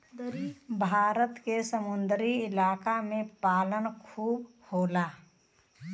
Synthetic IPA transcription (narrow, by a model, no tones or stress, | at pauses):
bʱaːɾət̪kesəmʊnd̪ɾiɪlaːkamẽpaːlənkʰuːb | hoːlaː